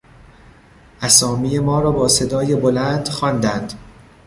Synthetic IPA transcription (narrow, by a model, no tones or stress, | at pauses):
ʔæsɒːmiːje̞mɒːɾɒːbɒːse̞d̪ɒːjebolænd̪̥xɒːnd̪ænd̪̥